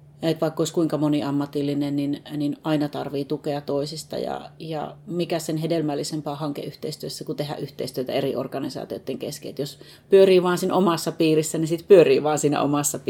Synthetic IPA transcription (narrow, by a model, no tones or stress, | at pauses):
et̪ʋɑˑikːoiskuiŋkɑmoniɑmːɑt̪ilːinenninninɑinɑt̪ɑrʋiːt̪ukeɑt̪oisist̪ɑ̰jɑ̰jɑ̰mikæssenɦedelmælːisempɑːhɑŋkḛʔyht̪eist̪yøsːækut̪ehæ̰ʔyht̪eist̪yøt̪æ̰erio̰rkɑnisɑ̰ːt̪io̰t̪ːeŋkḛskḛːt̪jos | pyøriːʋɑːnsiːnʔomɑsːɑpiːrisːænisit̪pyøriːʋɑːnsiːnæ̰o̰mɑsːɑp